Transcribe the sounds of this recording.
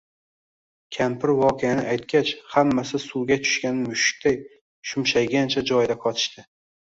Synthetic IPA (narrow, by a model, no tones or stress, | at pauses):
kʲʰampɪɾwɒqʰɨjanɪajt̪̚kʲat͡ʃhamːasɪsʊwɡʲat͡ʃʰʊ̥ʃkʲanmʊʃɪ̥k̚ʲt̪aj | ʃʊmʃajɡʲant͡ʃʰad͡ʒɒjd̪aqʰɒt̪ʰɪ̥ʃt̪ɪ